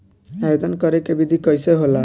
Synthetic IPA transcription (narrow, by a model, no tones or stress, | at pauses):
ajod̪ɔnkɔɾekebid̪ʱikɔjseɦola